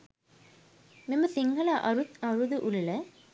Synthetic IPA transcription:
mimɐsiŋɡʱɐlaʔɐɾut̪ɐɾud̪uʔulːə

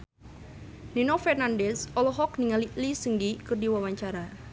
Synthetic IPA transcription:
ninɔfɛrnandɛsɔlɔɦɔk̚niŋalilisəŋɡikɨrdiwawaɲt͡ʃaɾa

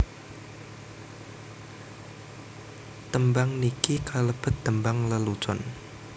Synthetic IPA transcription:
t̪əmbaŋnikikʰaləb̥ə̤t̪̚d̪əmbaŋləlut͡ʃɔn

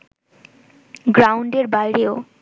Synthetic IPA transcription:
ɡɾawɳɖeɾbajɾeo

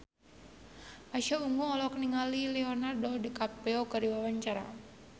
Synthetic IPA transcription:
maʃauŋɡuŋɔlɔkniŋalilɛɔnardɔdikapɛokəɾiwawaɲt͡ʃaɾa̰

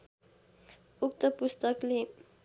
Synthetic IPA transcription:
uk̚t̪ʌpust̪ʌkle

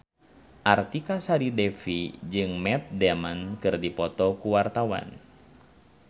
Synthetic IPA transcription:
ʔart̪ikasaɾidɛfid͡ʒɨŋmɛt̪̚dɛmankɨrdipɔt̪ɔkuwart̪awa̰n

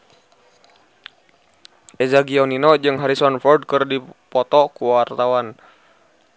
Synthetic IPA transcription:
ʔɛzaɡiɔninɔd͡ʒɨŋɦaɾisɔnfɔrd̚kɨrdipɔt̪ɔkuwart̪awan

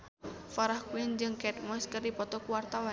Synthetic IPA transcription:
faɾahkuind͡ʒɨŋkɛt̪̚məskərdipɔt̪ɔkuwart̪awa

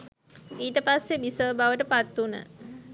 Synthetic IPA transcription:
iːʈəpasːebisəʋbaʋəʈəpat̪ːunə̰

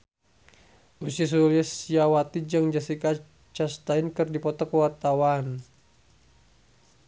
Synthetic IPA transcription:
ʔusis̬ulisijawat̪id͡ʒaŋd͡ʒasika | t͡ʃast̪ainkɨrdipɔt̪ɔkəwart̪awan

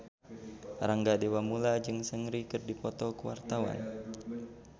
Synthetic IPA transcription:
raŋɡadewamulad͡ʒɨŋsəŋɾikɨrdipɔt̪ɔkəwa̰rt̪awa̰n

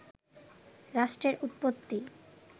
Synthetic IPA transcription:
ɾaʃʈɾeɾut̪̚pot̪ːi

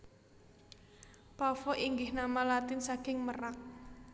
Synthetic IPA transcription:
pafɔʔiŋɡɪhnamalat̪ɪnsaɡ̥ɪŋmərak̚

